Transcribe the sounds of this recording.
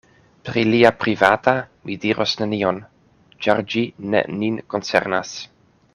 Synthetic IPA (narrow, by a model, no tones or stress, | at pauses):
pɾiliapɾivatamidiɾosnenion | t͡ʃaɾd͡ʒinḛninkont͡sḛɾnas